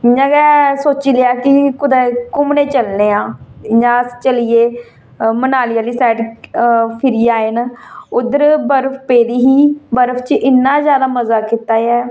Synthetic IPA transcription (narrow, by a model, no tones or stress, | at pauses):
jãːɡɛːsoːt͡ʃiːlaːkɪkʊd̪ɛːkʊmnẽːt͡ʃəlneːãːjãːst͡ʃəlijeː | mənaːlijaːliːsɛːʈ | pʰɪɾijaːenʊd̪əɾbəɾpʰpeːd̪iːɦiːbəɾpʰt͡ʃʔɪnːaːzjaːd̪aːməzaːkɪt̪aːɛː